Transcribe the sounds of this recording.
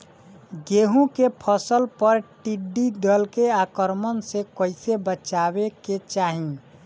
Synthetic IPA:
ɡeɦũkepʰəsəlpəɾʈiɖid̪əlkeakəɾmənsekəɪsebət͡ʃabeket͡ʃaɦĩ

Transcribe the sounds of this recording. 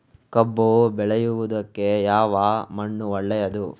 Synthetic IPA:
kɐbːobɛɭejuʋud̪ɐkːe̞jaːʋaːmɐɳːuɔɭːɛjɐd̪u

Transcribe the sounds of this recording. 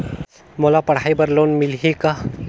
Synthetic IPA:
mɔlapəɽ̤ajbəɾlonmilɦika

